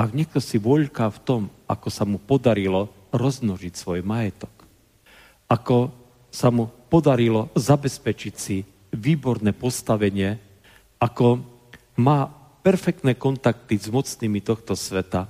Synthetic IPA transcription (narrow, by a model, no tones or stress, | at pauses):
aɡɲɛk̚t̪ɔsiʋɔʎkaft̪ɔmʔakɔsamupɔd̪aɾilɔ | ɾɔzmnɔʒicsʋɔjmajɛt̪ɔ̥k | akɔ | samupɔd̪aɾilɔzabɛspɛt͡ʃicsi | ʋiːbɔɾnɛːpɔst̪aʋɛɲɪɛ | akɔ | maː | pɛɾfɛk̚t̪nɛːkɔnt̪ak̚t̪izmɔt͡sniːmit̪ɔxt̪ɔsʋɛt̪a